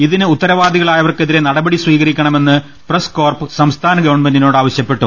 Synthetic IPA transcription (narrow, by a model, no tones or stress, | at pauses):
iðinɨut̪ːɐɾɐʋaːd̪iɣɐɭaːjɐʋɐrkeðiɾe̞nɐɽɐbɐɽisʋiːɣɐɾikʲːɐɳɐme̞nːɨ | prɐsko̞ːrpɨsɐmst̪ʰaːnɐɡɐwɳmɐninoːɽɨaːʋɐɕjɐpːe̞ʈːṵ